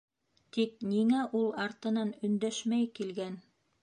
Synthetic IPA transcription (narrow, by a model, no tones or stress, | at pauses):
t̪ik̚niŋæʔulˠɑɾt̪ɤ̆nɑnɵ̆nd̪æʃmæjkilɡæn